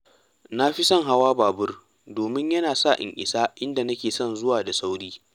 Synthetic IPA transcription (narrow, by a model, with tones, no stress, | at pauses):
na˦ɸi˦sɔ˦ŋɦa˦waː˦baː˨bʊ˦r | doː˨mɪ˦ɲjɐ˦naː˨sa˦˨ʔɪ̰˨ŋʔɪ̰˨saː˦ʔɪ˦nda˨nɐ˦kʲeː˨sɔ˦nzʊ˦waː˨da˨sa˦wɽiː˦